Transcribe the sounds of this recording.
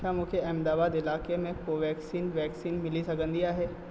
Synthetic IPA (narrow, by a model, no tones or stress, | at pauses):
kʰjamʊkʰeɛ̃md̪aːbaːd̪ɪlaːkemẽkoʋɛːksiːnʋɛːksiːnmɪlisɐkə̃nd̪ijaɦɛː